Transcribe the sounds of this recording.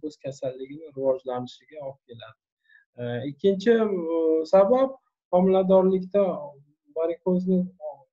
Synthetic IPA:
ɵz̥kʲʰasalːɪɡʲɪnɪɾɪvɒd͡ʒlanɪʃɪɡʲaɒp̚kʲʰe̞lad̪ɪ | ɪkʲʰːɪnt͡ʃʰɪsabap̚ | χɒmɪlad̪ɒɾlɪkʲt̪a | baɾɪkʲʰoznɪ

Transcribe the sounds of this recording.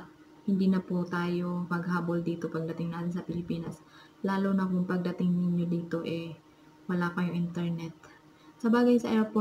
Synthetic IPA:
hɪnd̪iːnɐput̪aːjo̞mɐɡhaːbold̪iːt̪o̞pɐɡ̚d̪ɐt̪ɪŋnaːt̪ɪnsɐpɪlɪpiːnɐs | laːlonɐkʊŋpɐɡ̚d̪ɐt̪ɪŋnɪɲjod̪iːt̪o̞ʔɛ | wɐlaːkɐjʊŋʔɪnt̪ɛɹnɛt̪̚ | sɐbaːɡɐjsɐʔɛɾpo

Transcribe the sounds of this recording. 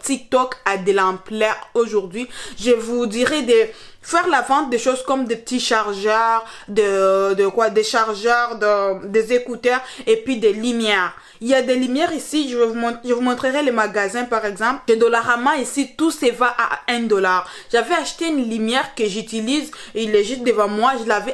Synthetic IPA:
t̪ik̚t̪ɔkad̪əlɑ̃plɛʁoʒuʁd̪ɥiʒəvud̪iʁɛd̪e | fɛʁlavɑ̃t̪̚d̪eʃozkɔmd̪epət̪iʃaʁʒœʁd̪əd̪əkwad̪eʃaʁʒœʁd̪əd̪ezekut̪œʁepɥid̪elimjɛʁ | iljad̪elimjɛʁisiʒəvumɔ̃t̪ʒəvumɔ̃t̪χəʁɛlemaɡazɛ̃paʁɛɡzɑ̃pʒəd̪ɔlaʁamɑ̃isit̪usevaʔa̰ɛ̃d̪ɔlaʁ | ʒ̥avɛaʃt̪eynlimjɛʁkəʒyt̪ilizileʒyt̪̚d̪əvɑ̃mwaʒəlavɛ

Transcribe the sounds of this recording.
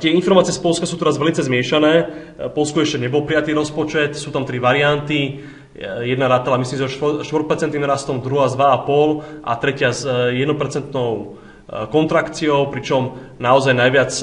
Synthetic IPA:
t̪ɪɛinfɔɾmaːt͡siɛspɔlskasuːt̪ɔɾazʋɛlit͡sɛzmɪɛʃanɛː | pɔlskɔɛʃcɛɲɛbɔlpɾijat̪iːɾɔspɔt͡ʃɛt̪suːt̪amt̪ɾiʋaɾiant̪i | jɛd̪naɾaːt̪alamis̬limsiɔʃʃt̪ʋɔɾpɛɾt͡sɛnt̪nimɾast̪ɔmd̪ɾuɦazd̪ʋaapɔlʔa̰t̪ɾɛcɪazjɛd̪nɔpɛɾt͡sɛnt̪nɔʊ | kɔnt̪ɾakt͡siɔʊpɾit͡ʃɔm | naɔzajnajʋɪat͡s

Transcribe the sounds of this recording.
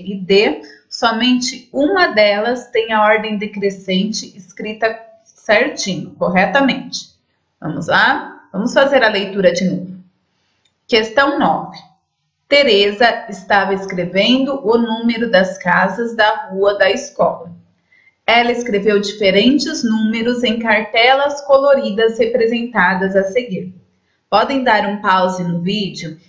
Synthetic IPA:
id̪esɔmẽnt͡ʃɪũmɐd̪ɛlɐst̪ẽj̃ɐɔɾd̪ẽj̃d̪ɪkɾesẽnt͡ʃɪɪskɾit̪ɐ | seɾt͡ʃĩnʊkoɦɛt̪ɐmẽnt͡ʃɪ̥ | vɐ̰̃mʊzlavɐ̃mʊsfazeɾɐlejt̪uɾɐd͡ʒɪnũmɾʊ | kest̪ɐ̃w̃nɔvɪ | t̪eɾezɐɪst̪avɐɪskɾevẽnd̪ʊʔʊnũmeɾʊd̪ɐskazɐzd̪ɐhuɐd̪ɐɪskɔ̰lɐ | ɛlɐɪskɾevewd͡ʒifeɾẽnt͡ʃɪznũmeɾʊzẽj̃kaɾt̪ɛlɐskoloɾid̪ɐzhepɾezẽnt̪ad̪ɐzɐseɡiɾ | pɔd̪ẽj̃d̪aɾũpawzɪnʊvid͡ʒjʊ

